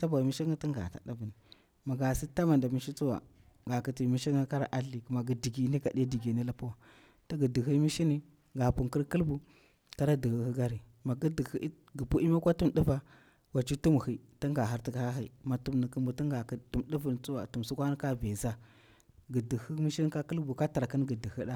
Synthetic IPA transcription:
ta˦ba˨mi˦ʃi˦ə˦ti˦ŋɡa̰˨ta̰˨da˦vi˨ni˨ | ma˨ɡa˨si˦ta˦ma˨nda˨mi˦ʃi˦t͡su˦wa̰˨ | ɡa˨ki˨ti˨mi˦ʃi˦ŋa˦ka˦ɾa̰˨ʔa˦ɮi˨ku˨ma˨ɡə˨di˨ɡi˨ni˦ka˨ɗi˦di˨ɡi˨ni˦la˦pu˦wa˨ | ta˦ɡə˨di˨ɦi˦mi˦ʃi˦ni˦ | ɡa˨pu˨ŋki˦ɾkə˦lbu˨ | ta˦ɾa˦di˨hə˨hə˦ɡa˦ɾi˨ | ma˨ɡə˦də˨h | ɡə˨pu˦i˦ma˦kʷa˦tu˦mdi˦va˨ | wa˨t͡ʃu˦tu˦mu˨hi˨ta˦ŋɡa˨ɦa˦ɾti˦ka˦ɦa˨i˨ma˨tu˦mnə˨kə˦mbu˨ti˦ŋɡa˨ki˨tu˨mdi˦və˨nt͡su˦wa˨tu˨msu˦kʷa˦n˦ka˦ve˨za˦ | ɡə˨di˨hə˦mi˦ʃi˦ka˦kə˦lbu˨ka˦ta˨ɾa˨kə˦nɡə˨di˨hi˦ɗa˦

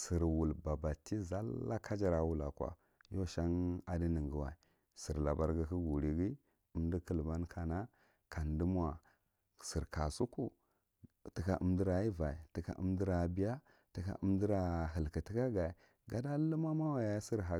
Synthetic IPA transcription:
si˨ɾwu˨lba˨ba˨ti˦za˦lːa˦kʰa˦d͡ʒa˨ɾa˨wu˦la˨kwa̰˨ | jo˦ʃa˦na˨di˦ni˨ŋɡi˨wa˨i˨ | si˨ɾla˨ba˨ɾɡi˨ki˦ɡu˨ɾi˨ɡi˦ | ə˨mdi˦kə˦˨lba˦nkʰa˨na˦ | ka˨ndu˦mwa˨ | si˨ɾka˨su˦ku˦ | ti˨ka˨ʔə̰˨mdi˦ɾa˨i˦va˨i˨ti˨ka̰˨ʔə̰˨˦m˦di˦ɾa˨bi˦ja˦ | ti˨ka̰˨ʔə˦mdi˦ɾa˨ɦə˨lki˨ti˦ka˦ɡa˨i˨ | ɡa˨da˦lu˦ma˦ma˦wa˨ja˨i˦si˦ɾɦa˨

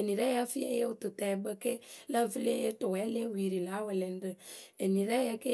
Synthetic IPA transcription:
e˨ni˨ɾa˦ja˦fi˦e˦je˦ʊ˨to˨ta˨ɡ͡bə˦ke˦la˦˨fi˦li˦e˦je˦tʊ˨wɛ˨˦le˦wi˨ɾi˨la˨˦wɛ˨le˨n̩˦də˨e˨ni˨ɾa˦ja˦ke˦

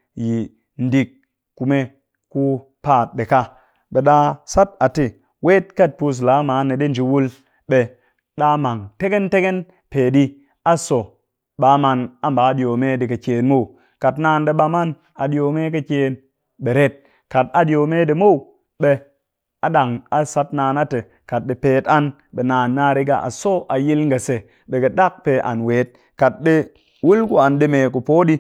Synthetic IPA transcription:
ji˨ | n̩˦di˨k̚ | kːu˨me˦ | ku˦ | paː˦˨t̚ɓe˨ka˦ | ɓe˨ɗa˦sa˦t̚a˨ti˦ | we˦t̚ka˦˨t̚pu˦s̬la˨˦ma˨˦nːe˨di˦n˨d͡ʒi˨wu˦l | ɓe˨ | ɗa˦ma˨ŋte˦ke˦nte˦ke˦n | peː˨di˦ | a˦so˨ | ɓa˨˦ma˧na˦mbaː˨˦ɗi˨o˨me˦di˨kə˨kʲeː˨nmo˦˨u˨ | ka˨tnaː˦nde˦ɓa˦ma˦n | a˨djo˨me˦k̬ə˦keː˨˦n | ɓe˨ɾe˦t̚ | ka˨ta˨djo˨me˦di˨mo˦w | ɓe˦ | a˨ɗa˨ŋa˨sa˦tnaː˨na˦te˨ | ka˨t̚ɓe˨peː˨ta˦n | ɓe˨naː˨nːaː˦ɾi˦ɡa̰˦˨ʔa̰˨so˦ʔa˨ji˦lŋ˦ɡe˨se˨ | ɓe˨kə˨da˦k̚pe˨ʔa̰˨nweː˨˦t̚ | ka˨t̚ɗe˦ | wu˦lku˨a˨ndi˦me˨ku˨poː˦ɗi˦

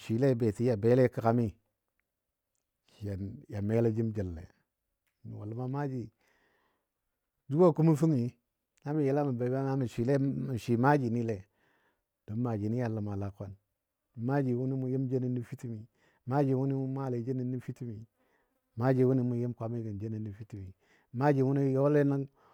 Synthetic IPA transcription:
ʃʷi˨le˦˨be˨ti˦ja˨be˦le˦ki˨ka˨mi˦˨ | ja˨nja˨me˦la˦d͡ʒi˦md͡ʒə˨lːḛ˨ | mḭ˨wa̰˨lə˨ma˦ma˦d͡ʒi˨ | du˦wo˦˨ku˦mu˦fu˦ŋi˨ | na˦mi˨je˦la˦ma˨be˨˦ba˦na˦mi˨ʃi˨le˦˨ʃi˨ma˦d͡ʒi˨ni˦le˨ | d̥o˨n˦ma˨d͡ʒi˨ni˦ja˨lə˨ma˨la˨ko˦n˨ | ma˦d͡ʒi˨wu˦ni˦mu˨˦je˦md͡ʒe˦ni˦ni˦fi˦ti˦mi˨ | ma˦d͡ʒi˨wu˦ni˦u˦m˦a˦le˨d͡ʒe˦ni˦ni˦fi˦ti˦mi˨ | ma˦d͡ʒi˨wu˦ni˦mu˦je˦mkʷa˦me˦ɡə˨nd͡ʒe˦ni˨ni˦fi˦ti˦˨mi˨ | ma˦d͡ʒi˨wu˦ni˦ja˦wo˦le˦na˦ŋ

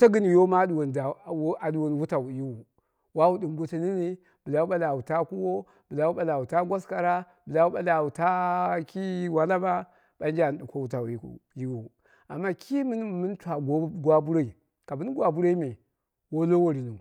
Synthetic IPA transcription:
ta˦ɡi˦ni˨jo˦ma˦du˨wo˨n˨da˨˦a˨du˨wo˨n˨wu˦ta˨wu˨ji˦wu˨ | wa˦wu˦di˨n˦ɡo˦ta˨˦ni˦ni˦ | b̥ə˨la˦wu˦ɓa˦la˨wu˨ta˦ku˦wo˦ | bi˨la˦wu˦ɓa˦la˨wu˨ta˦ɡʷa˦ska˨ɾa˦ | bə˨la˦wu˦ɓa˦la˨wu˨ta˦ki˦wa˨la˦ba˦ | ba˦n˦d͡ʒa˦˨n˨du˨ko˦wu˦ta˨wu˨ɾi˦kṵ˨ji˦wu˨ | a̰˨mːa˦kʰi˦mi˦n˦˨mi˦ta˨ɡo˦ɡʷa˦bu˦ɾa˦i˨ | ka˨bu˦n˦ɡwa˨bu˦ɾa˦i˦me˨ | wo˦lo˦wo˨ɾi˨nu˨

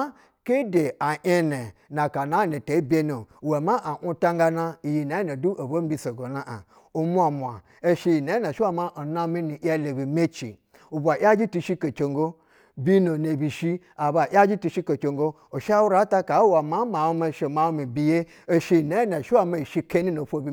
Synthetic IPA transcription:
ke˦de˨a˨ʔe˦ne˨na˨ka˨na˨˦˨ne˨te˨i˦be˦no˨we˨ma˦ʔa˨ʔʷu˦ta˦ŋɡa˦na˦i˨ji˨na˨˦ne˨du˦ʔo˨bo˦m˦bi˦so˨ɡo˨na˦ʔa˨ | o˨mu˦a˨mʷ˨a˨ | e˦ʃi˦ji˨ne˨˦na˨ʃi˦a˦ma˦ʔo˨na˦mi˦ni˨ʔja˦le˨bi˨me˦t͡ʃḭ˨ | u˨bʷa˨ʔja˦d͡ʒi˦tu˧ʃi˦ko˨t͡ʃo˨ŋɡo˦ | bi˦no˨ne˨bi˨ʃi˦ | a˨ba˨ʔja˦d͡ʒi˦tu˧ʃi˦ko˨t͡ʃo˨ŋɡo˦ | o˨ʃa˦wu˦ɾa˨˦ta˦ka˨˦wa˨ma˨˦ma˨wo˦me˦˨ʃe˨ma˨wo˦mi˨bi˨je˦ | e˦ʃi˦˨ne˨˦na˨ʃi˦wa˦ma˨i˨ʃi˦ke˦ni˦no˨fʷo˦bi˨

